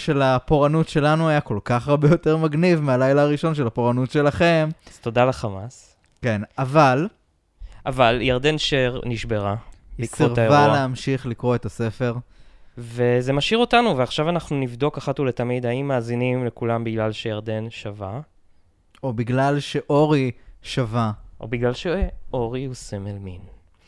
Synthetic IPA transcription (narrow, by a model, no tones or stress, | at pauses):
ʃe̞lapo̞ʁanutʃe̞lanuajako̞lkaχaʁbejo̞te̞ʁmaɡnivmealajlaːʁiʃo̞nʃe̞lapo̞ʁanutʃe̞laχe̞mt̪o̞d̪alaχamas | ke̞naval | ʔavaljaʁd̪enʃeʁniʃbeʁabiiskviʁvaleːmʃiχlikʁo̞e̞t̪ase̞fe̞ʁveze̞maʃiʁo̞tanuveaχʃavanaχnunivd̪o̞kaχatulet̪amid̪aimːaːzinimle̞kulambiɡlalʃejaʁd̪e̞nʃava | o̞biɡlalʃe̞ʔo̞ʁiʃavaʔo̰biɡlalʃeʔo̞ʁiusemelmin